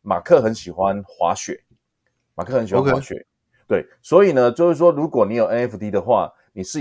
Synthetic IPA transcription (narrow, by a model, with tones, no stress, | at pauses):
ma̰˨˩kʰɤ˥˨xə˨˦nɕi˨˩xwa˦nxwa̰˧˦ɕɥɛ˨˩˦ | ma̰˨˩kʰɤ˥˩hə˧˦nɕi˨˩a˦a˦˧˥ɕɥɛ̰˨˩ | t̪we˥˩ɪswɔ˧˦˥i˨˩nə˦t͡ɕjo˥˧ʊʂ̩˥˩ʂ̬wɔ˥ɻu˧˦˥kwɔ˨˩ni˨˦˥jo˨˩ʊɛ˦nɛ˦˥fu˧t̪i˦˥d̪ə˨xwa̰˥˨ | ni˨˩ʂɻ̩˥˨